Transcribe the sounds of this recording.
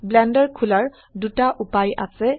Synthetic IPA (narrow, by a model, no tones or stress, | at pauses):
blɛndɔɹkʰulaɹ | dutaʔupaja̰sɛ